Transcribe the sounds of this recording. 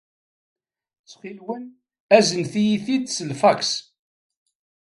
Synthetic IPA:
t͡sχilwən | æzənθijiθid̪səlfæks

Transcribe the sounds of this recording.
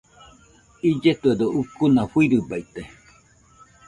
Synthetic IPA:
id͡ʒet̪ued̪oukunafwiɾɯbait̪e

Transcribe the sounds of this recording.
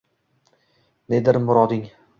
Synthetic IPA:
ned̪ɪɾmʊɾɒd̪ɪŋ

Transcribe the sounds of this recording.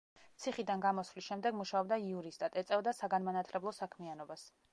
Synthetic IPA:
t̪sʰiχid̪anɡamɔslisʃɛmd̪ɛɡmuʃaɔbd̪aiuɾist̪ʼat̪ʼɛt̪sʼɛvd̪asaɡanmanat̪ʰlɛblˠɔsakʰmianɔbas

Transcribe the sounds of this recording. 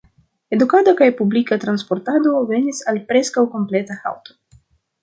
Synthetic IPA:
ed̪ukad̪akajpublikɐt̪ɾanspoɾt̪ad̪oveɲisalpɾeskawkomplɛt̪ɐha̰wt̪o̥

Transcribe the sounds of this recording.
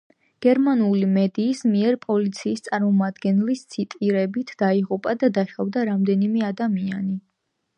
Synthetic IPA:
ɡ̥ɛɾmanulimɛd̪iːsmiɛɾpʼɔlit̪sʰiːst̪sʼaɾmɔmad̪ɡɛnlist̪sʰit̪ʼiɾɛbit̪ʰd̪̥aiʁupʼad̪ad̪aʃavd̪aɾamd̪ɛnimɛad̪amiani

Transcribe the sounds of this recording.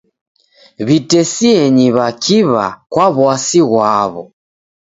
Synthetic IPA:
βitɛsiɛɲiβakʰiβa̰kwaβwasiɣwaβɔ̰

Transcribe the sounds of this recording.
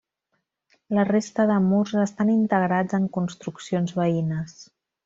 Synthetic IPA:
lərest̪əðəmurzəst̪anint̪əɣɾad͡zəŋkunst̪ɾuksionzβəinəs

